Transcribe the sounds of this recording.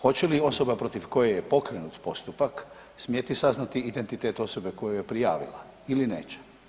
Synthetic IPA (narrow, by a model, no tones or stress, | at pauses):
xo̞t͡ɕelio̞so̞bapɾo̞t̪iʋko̞jejepo̞kɾenut̪po̞st̪upak | smjet̪isaznat̪iid̪e̞nt̪it̪e̞ːt̪o̞so̞be̞ko̞jujepɾija̰ːʋḭla̰ | ilinḛːt͡ɕe̥